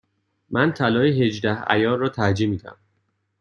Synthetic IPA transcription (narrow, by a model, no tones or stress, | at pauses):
mʔænt̪ʰælɒːiɦe̞d͡ʒd̪æhæ̰jɒːɾrːɒːt̪ʰæɾd͡ʒiːmiːd̪æ̰m